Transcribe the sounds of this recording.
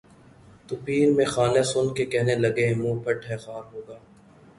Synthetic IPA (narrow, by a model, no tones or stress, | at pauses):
t̪ʊpiːɾmẽxaːnesʊnkekɛɦnelɐɡemũːpʰɐʈʰɛːxaːɾɦoːɡaː